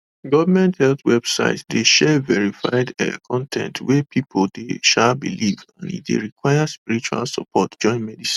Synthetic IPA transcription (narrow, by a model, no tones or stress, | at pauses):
ɡɔvəmɛ̃nthɛlθwɛb̥sa̰ɪtdeʃɛvɛɹifaɪdɛ̰kʰɔ̃ntʰɛ̰̃ntʰwɛpʰipʰoldeʃabḭlivã̰nḭt̚dḛɹikwaɪaspiɹit͡ʃua̰lsɔ̰pʰɔtd͡ʒɔ̃ɪ̃nmɛdisĩ̥n